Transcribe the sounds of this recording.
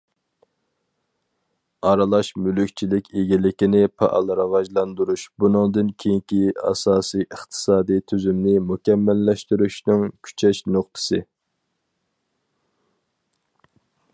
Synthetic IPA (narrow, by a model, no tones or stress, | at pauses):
ɑɾɨlˠɑʃmylykʲt͡ʃʰilɪkʲeɡʲilɪkʲinɪpʰɑ̰ʔɑ̰lˠɾɑvɑʒlˠɑnd̪uɾuʃbunɨŋd̪ɨnkʲʰejiŋkʲiɑ̰sɑːsijʔəχt̪ʰɨ̥sɑːd̪ijt̪ʰyzymnɪmukʲɛmːɛlːɛʃt̪yɾyʃnɪŋkʲʰy̥t͡ʃʰɛʃnoχt̪ʰɨ̥sɨ